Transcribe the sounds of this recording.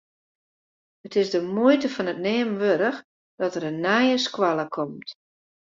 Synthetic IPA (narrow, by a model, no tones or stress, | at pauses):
ətɪsdəmuətəfɔnət̚neːmʋøɾəx | d̥ɔtərənːɛjəskwalˠəkʰɔmt